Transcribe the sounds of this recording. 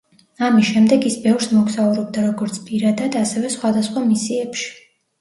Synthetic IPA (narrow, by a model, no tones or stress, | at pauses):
amisʃɛmd̪ɛɡisbɛvɾsmɔɡsauɾɔb̚d̪aɾɔɡɔɾt̪sʰpʼiɾad̪ad̪asɛvɛsχwad̪asχwamisiɛpʃi̥